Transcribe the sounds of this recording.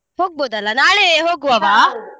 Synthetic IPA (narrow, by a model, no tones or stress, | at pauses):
hoːɡ̚boːd̪ɐlːɐnaːɭeɦoːɡuɐʋaː